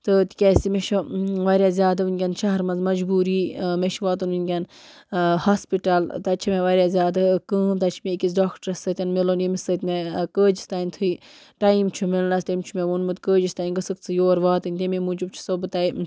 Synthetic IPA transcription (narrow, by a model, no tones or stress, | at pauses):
t̪ɨt̪i̥kʲɛsimeʃoʋaɾʲjaːzʲjaːd̪ɐʋɨnʲkʲɐnʃɐɦɐɾmɐnzmɐd͡ʒbuːɾiːmeʃʋaːt̪̬uninʲɡʲɐn | haːspiʈalt̪ɐt͡ʃʰimʲeʋaɾjazʲjaːd̪ɐkəːmt̪ɐt͡ʃʰimekʲit͡s̬ɖaːkʈəɾɐsɐt̪ʲɐnmelonemisɐt̪ʲmekəːd͡ʒist̪aːnʲt̪ʰui | ʈaimt͡ʃʰumilnast̪ɐmt͡ʃʰumʲeʋunmɨt̪ʲkəːd͡ʒist̪aːinɡɨsɨkt͡sʰɨjoːɾʋaːt̪ɨnʲt̪ememud͡ʒubt͡ʃʰu̥sɐbɨt̪aj